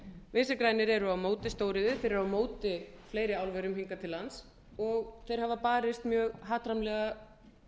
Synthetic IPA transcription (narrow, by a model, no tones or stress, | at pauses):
vɪːsɪkɾaːjnɪɾɛɾʏawmoːwt̪ɪst̪oːwɾɪðɪfejɾɾawmoːwt̪ɪfleːjɾɪawlvœɾʏmɦiŋkat̪ʰɪlhans | ɔɣθejɾ̥havapaːɾɪst̪mjœːɣɦaːt̪ɾamlɛɣa